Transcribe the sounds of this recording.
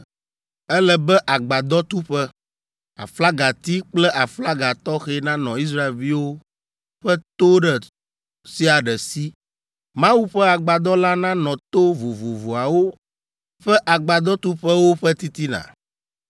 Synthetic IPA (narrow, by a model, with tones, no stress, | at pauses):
ɛ˦lɛ˨bɛ˦ʔa˨ɡ͡ba˨d̪ɔ˦t̪u˦ɸɛ˦ | a̰˨fla˦ɡa˨t̪i˦k͡plɛ˦ʔa˨fla˦ɡa˨t̪ɔ˦xɛ˦nã˦nɔ̃˨i˦s̬ɾa˦e˨lvi˦wo˦ | ɸɛ˦t̪o˦ɖɛ˨ | si˦a˨ɖɛ˨si˦ | mã˦wu˦ɸɛ˦a˨ɡ͡ba˨d̪ɔ˦la˦nã˦nɔ̃˨t̪o˦vo˨vo˨vo˨a˨wo˦ | ɸɛ˦ʔa˨ɡ͡ba˨d̪ɔ˦t̪u˦ɸɛ˦wo˦ɸɛ˦t̪i˦t̪i˦nã̰˨